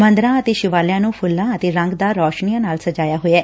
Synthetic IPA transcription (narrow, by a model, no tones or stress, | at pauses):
mə̃nd̪ɾãːət̪eːʃɪʋaːljãːnũːpʰʊlːãːət̪eːɾə̃ŋɡd̪aːɾɔːʃnijãːnaːlsəd͡ʒaːjaːɦoɛː